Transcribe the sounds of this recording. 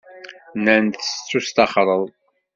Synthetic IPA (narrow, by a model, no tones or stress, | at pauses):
nænt̪əst͡sːust̪ɑχɾˤəðˤ